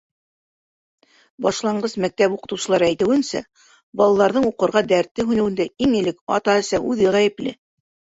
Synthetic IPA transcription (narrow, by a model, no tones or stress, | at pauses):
bɑʃlˠɑɴɢɤsmæk̚t̪æpuqɤ̆t̪ɤ̆wsɤ̆lˠɑɾæjt̪ɘ̆wɘ̆nsæ̰ | bɑlˠɑlˠɑɾðɤɴuqɤ̆ɾʁɑd̪æɾt̪ːɘɦʉnɘ̆wɘ̆nd̪æiŋɘ̆lɘkɑ̰t̪ɑɘ̆sæʔʉðɘʁæjɘ̆plɘ